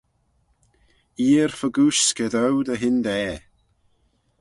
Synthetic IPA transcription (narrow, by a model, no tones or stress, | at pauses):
iːɹfəɡuʃkəðəwd̪əɦɪnd̪ɛː